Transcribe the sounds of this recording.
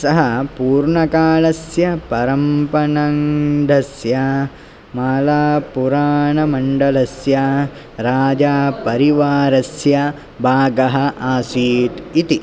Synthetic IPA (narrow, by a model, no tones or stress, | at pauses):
sɐɦɐpuːɾɳɐkaːɭɐsjɐpɐɾɐmpɐɳɐŋd̪ʱɐsjɐ | maːlaːpuɾaːɳɐmɐɳɖɐlɐsjɐ | ɾaːd͡ʒaːpɐɾiʋaːɾɐsjɐ | bʱaːɡɐɦɐʔaːsiːt̪it̪i